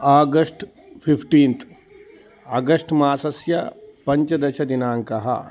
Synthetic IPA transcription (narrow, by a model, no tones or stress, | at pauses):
aːɡɐsʈ | pʰipʰʈiːnt̪ʰ | aːɡɐsʈmaːsɐsjɐpɐɲt͡ʃɐd̪ɐʃɐd̪inaːŋkɐɦɐ̰